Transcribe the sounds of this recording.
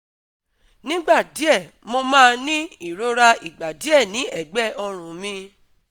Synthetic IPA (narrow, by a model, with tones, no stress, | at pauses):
nĩ˦ɡ͡ba˦˨di˨˦ɛ˦˨ | mo˧mãː˦˧nĩ˦i˦˨ɾo˦ɾa˧i˨ɡ͡ba˨di˨˦ɛ˦˨nĩ˨˦ɛ˨ɡ͡bɛ˦˨ʔɔ˧ɾ̃ũ˨mĩ˧